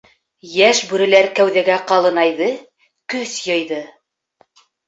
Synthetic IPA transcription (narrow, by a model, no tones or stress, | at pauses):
jæʃbʉɾɘ̆læɾkæwðæɡæqɑlˠɤ̆nɑjðɤ | kɵθjɤ̆jðɤ